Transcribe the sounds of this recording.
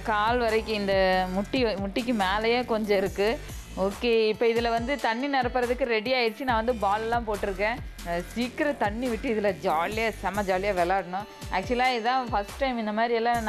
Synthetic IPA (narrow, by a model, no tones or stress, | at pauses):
kaːlʋɐɾɐɪkːɯ̃ɪnd̪ɐmʊʈːimʊʈːɪk̬ːɯmeːlɐjeːkɔɲd͡ʒɔ̃ɪɾɯkːɯ | oːkːeːɪpːoɪðɯlɐʋɐnd̪ɯt̪ɐɳːinɪɾɐpːɯɾɐðɯkːɯɾɛɽɪjaːɪɾt͡ʃːinãːʋɐnd̪ɯbaːlɛlːãːpoːʈːɯɾɯkːẽːsiːkɪɾɐt̪ɐɳːiʋɪʈːɯɪðɯlɐd͡ʒaːlɪjaːsɐmɐd͡ʒaːlɪjaːʋɛlaːɽɐnʊ̃ | ʔæ̰ːk̚t͡ʃʊɐlãːɪðãːfɐsʈʈːɐɪmɪnd̪ɐmaːd̪ɾɪɛlːãn